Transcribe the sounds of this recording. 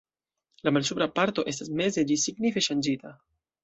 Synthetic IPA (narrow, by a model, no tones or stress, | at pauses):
lamals̬upɾapaɾto̞ʔe̞stasme̞ze̞d͡ʒisiɡnife̞ʃand͡ʒita